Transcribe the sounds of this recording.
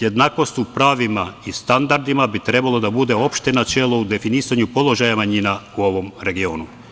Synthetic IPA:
je̞d̪naːko̞st̪upɾaːʋimaist̪and̪aɾd̪imabit̪ɾe̞balˠo̞d̪abud̪e̞o̞pʃt̪enat͡ʃe̞lˠo̞ud̪e̞finiːsaɲupo̞lˠo̞ʒajamaɲinauo̞ʋo̞mɾe̞ɡio̞ːnu

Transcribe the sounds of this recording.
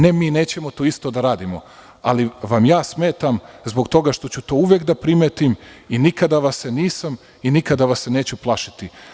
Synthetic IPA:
ne̞miːne̞ːt͡ɕe̞mo̞t̪oist̪o̞d̪aɾaːd̪imo̞̰ | a̰liʋamjaːsme̞ːt̪amzbo̞kt̪o̞ɡaʃt̪o̞t͡ɕut̪o̞ːuʋjekd̪apɾimet̪iminikad̪aʋaseniːsam | inikad̪aʋasːeneːt͡ɕuplˠaʃit̪i

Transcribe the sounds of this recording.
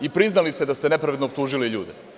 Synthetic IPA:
ipɾiznalist̪ed̪ast̪ene̞pɾaʋed̪nop̚t̪uːʒiliʎuːd̪e

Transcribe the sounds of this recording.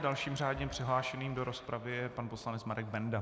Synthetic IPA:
dalʃiːmr̝aːdɲɛpr̝̥ɪɦlaːʃɛniːmdoɾo̞spɾavɪjɛpanposlanɛt͡smaɾɛɡ̚bɛnda

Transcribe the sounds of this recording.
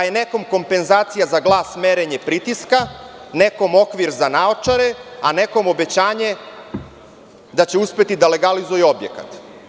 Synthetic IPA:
ajene̞ko̞mko̞mpe̞nzaːt̪sijazaɡlˠaːsme̞ɾe̞ɲepɾit̪iskane̞ko̞mo̞kʋiɾzanaot͡ʂaɾeane̞ko̞mo̞be̞t͡ɕaːɲe̞ | d̪at͡ɕe̞uspe̞t̪id̪ale̞ɡalizujeo̞bjḛkat̪

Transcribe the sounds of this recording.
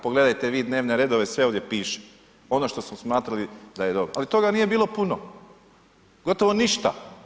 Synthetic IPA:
poɡle̞d̪ajt̪eʋiːd̪ne̞ːʋne̞ɾe̞d̪oʋe̞sʋeoːʋd̪je̞piːʃe̥ | o̞noʃt̪o̞smosmaːt̪ɾalid̪aje̞d̪o̞bɾoʔalit̪o̞ɡaniːje̞biːlˠo̞puno | ɡo̞t̪oʋo̞niʃt̪a̰

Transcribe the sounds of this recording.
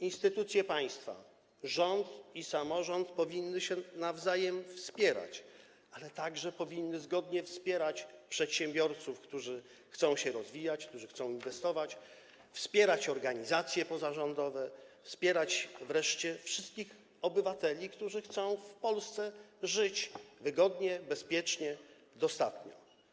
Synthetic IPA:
inst̪ɘt̪ut̪sʲjɛpaj̃st̪fa̰ | ʐɔnt̪isamɔʐɔnt̪pɔvʲinːɘɕɛnavzajɛmfspʲjɛɾa̰t͡ɕ | alɛt̪aɡʐɛpɔvʲinːɘzɡɔd̪ɲɛfspʲjɛɾat͡ɕpʂɛt̪ɕɛ̃mbʲjɔɾt̪sufkt̪uʐɘ | xt̪sɔ̃w̃ɕɛɾɔzvʲijat͡ɕk̚t̪uʐɘxt̪sɔ̃w̃invɛst̪ɔvat͡ɕ | fspʲjɛɾat͡ɕɔɾɡaɲizat̪sʲjɛpɔzaʐɔnd̪ɔvɛfspʲjɛɾat͡ɕvɾɛʂt͡ɕɛfʂɘst̪̚kʲix | ɔbɘvat̪ɛlʲikt̪uʐɘxt̪sɔ̃w̃fpɔlst̪sɛʐɘt͡ɕvɘɡɔd̪ɲɛbɛspʲjɛt͡ʂɲɛ | d̪ɔst̪at̪ɲɔ̰

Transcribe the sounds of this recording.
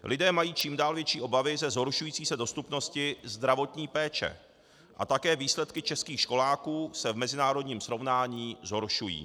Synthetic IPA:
lʔɪdɛːmajiːt͡ʃiːmdaːlvjɛt͡ʃiːʔo̞bavɪzɛzɦo̞ɾʃujiːt͡siːsɛdo̞st̪upno̞scɪzd̪ɾavo̞t̪ɲiːpɛːt͡ʃɛ̰ | ʔa̰t̪akɛːviːslɛt̪kɪt͡ʃɛskiːxʃko̞laːkuːsɛvmɛzɪnaːɾo̞dɲiːmsɾo̞vnaːɲiːzɦo̞ɾʃujḭː

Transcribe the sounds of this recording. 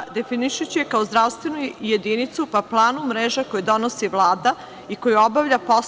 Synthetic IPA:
d̪e̞finiʃut͡ɕijekaozd̪ɾaʋst̪ʋenujed̪init̪supaplˠaːnumɾeːʒako̞jid̪o̞nosiʋlˠaːd̪a | iko̞juo̞baʋʎʲapo̞s

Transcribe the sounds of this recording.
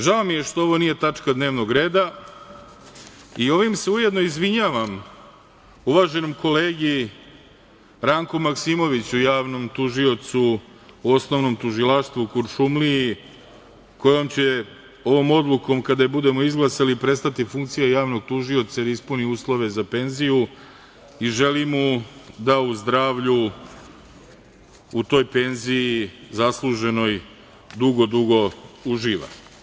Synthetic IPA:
ʒaomije̞ʃt̪oo̞ʋo̞nije̞t̪at͡ʂkad̪ne̞ːʋno̞ɡɾe̞ːd̪a | io̞ʋimseuje̞d̪no̞izʋiɲaːʋam | uʋaːʒe̞nomko̞le̞ːɡi | ɾaŋkomaksimo̞ʋit͡ɕujaːʋno̞mt̪uʒio̞t̪suː | o̞snoʋno̞mt̪uʒilaʃt̪ʋukuɾsumlii | ko̞jo̞mt͡ɕe̞ | o̞ʋo̞ːmo̞d̪luko̞mkad̪abud̪e̞mo̞izɡlˠasaliːpɾe̞st̪at̪ifuŋk̚t̪sijajaːʋno̞ɡ̚t̪uʒio̞t̪sad̪ispuniuːslˠo̞ʋe̞zape̞nziju | iʒe̞limud̪auzd̪ɾaːʋʎu | ut̪o̞ːjpe̞nzijizaslˠuʒe̞no̞j | d̪uɡo̞d̪uɡo̞uʒiːʋa̰

